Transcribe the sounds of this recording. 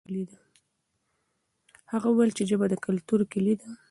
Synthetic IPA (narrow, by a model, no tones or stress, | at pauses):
lid̪a | haɣauwajlt͡ʃeʒəbad̪əkalt̪uɾkɪlid̪a